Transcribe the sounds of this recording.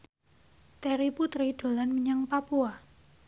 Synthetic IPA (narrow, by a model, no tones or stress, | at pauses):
t̪ɛɾiput̪ɾiɖ̥o̤lanməɲaŋpapua